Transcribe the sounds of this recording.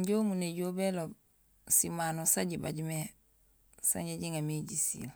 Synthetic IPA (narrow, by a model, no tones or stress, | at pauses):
ɲɟomuneɟobelob | simanosaɟiba̰ɟme | sa̰ɲɟaɟiŋamiɟisḭl